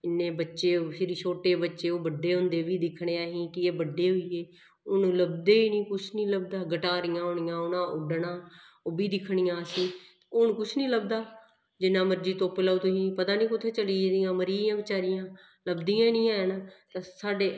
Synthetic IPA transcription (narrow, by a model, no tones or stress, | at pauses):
ɪnːeːbətːʃeːpʰɪɾiːt͡ʃʰoːʈeːbətːʃeːoːbəɖːeːɦʊ̃nd̪eːʋiːd̪ɪkʰːɳ̃eːaːɦĩːkɪeːbəɖːeːɦoiːeː | ʊnuːləb̚d̪eːiːnĩːkʊt͡ʃʰnĩːləbd̪aːɡəʈaːɾɪjãːɦoːɳɪjãːʊnãːʔʊɖɳãː | oːbiːd̪ɪkʰɳɪjãːsiː | ʊnkʊt͡ʃʰnĩːləb̚d̪aː | d͡ʒɪnːãːməɾd͡ʒiːt̪õːpɪlaːuːt̪ʊɦĩːpət̪aːnĩːkʊt̪ʰːeːt͡ʃəliːd̪ijãːməɾiːãːbɪt͡ʃaːɾɪjãː | ləbd̪ijãːnĩːaːnaːt̪ãːsaːɖeː